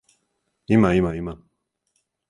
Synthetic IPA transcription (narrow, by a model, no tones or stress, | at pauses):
imaimaima